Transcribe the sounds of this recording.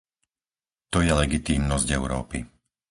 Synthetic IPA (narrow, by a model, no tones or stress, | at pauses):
t̪ɔjɛlɛɡit̪iːmnɔzɟɛʊɾɔ̰ːpḭ